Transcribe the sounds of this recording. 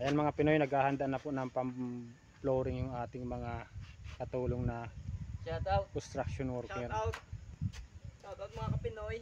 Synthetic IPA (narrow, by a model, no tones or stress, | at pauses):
kɐjanmɐŋapɪnojnɐɡhaːhɐnd̪aʔnɐpʊʔnɐŋpɐm | ploːɾɪŋjʊŋʔaːt̪ɪŋmɐŋakɐt̪uːloŋnɐ | kost̪ɾak̚ʃonwɔɾkɛɾ | aɐmɐakɐpɪnoj